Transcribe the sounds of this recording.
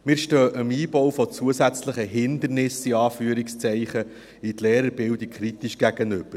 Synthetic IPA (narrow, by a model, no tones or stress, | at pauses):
mɪːɾʃtøːʔəmiːbɔwfɔt͡suəzæt͡sləχəɦɪnd̪əɾnɪsiɑːfyəɾikst͡sɛɪχə | it̪leːɾəɾbɪldikχɾit̪iʃɡ̥æɡ̥ənɵb̥əɾ